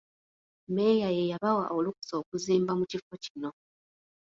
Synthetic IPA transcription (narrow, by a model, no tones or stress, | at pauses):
me̞jajejaβawa̰ʔoluku̥so̞ːkuziːmbamucifocino̞